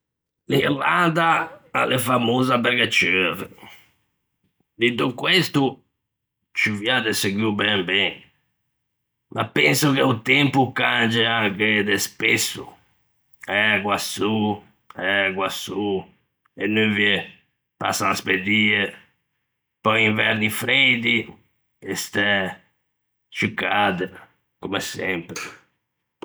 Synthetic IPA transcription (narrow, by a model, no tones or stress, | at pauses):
lilad̪aa̰lɛfamoːzabɛɾɣɛt͡ʃøːɾɛ | d̪it̪ukwest̪u | t͡ʃiviad̪ɛseɡubɛmbɛn | ma̰pɛnsuɣeut̪ɛmpukand͡ʒɛaked̪ɛspesːṵ | ɛɡwasu | ɛɡwasu | enːøviɛ | pa̰saasped̪iːɛ | pɔjiɱvɛɾnifɾed̪i | ɛst̪ɛ | t͡ʃikːad̪ɛ | kumɛsɛmpɾe